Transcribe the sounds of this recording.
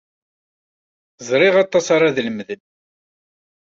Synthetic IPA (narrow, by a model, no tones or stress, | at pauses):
zˤɾˤɪʁɑt̪ˤːɑsɑɾɑðləmðən